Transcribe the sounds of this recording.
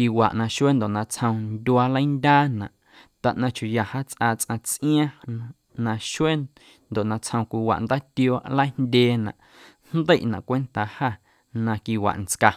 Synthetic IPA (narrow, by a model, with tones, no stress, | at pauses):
ki˧wa̰˨ʔnã˧ʃwe˦nd̪o˨ʔnã˧t͡shə̃˧w̃ndʲu˧a˧lə˦jndʲaː˦nã̰˨ʔ | t̪a˨ʔnã˧t͡ʃu˨ja˨haː˦t͡sʔaː˧t͡sʔã˧t͡sʔĩ˦ã˦ | nã˧ʃwe˦ | nd̪o˨ʔnã˧t͡shə̃˧kʷi˧wa̰˨ʔnd̪aː˦t̪joː˧ʔlə˦ndʲeː˧nã̰˨ʔ | nnd̪ə˦˨ʔnã̰˨ʔkʷe˦nt̪a˨ha˦˨ | nã˧ki˧wa̰˨ʔnt͡ska˧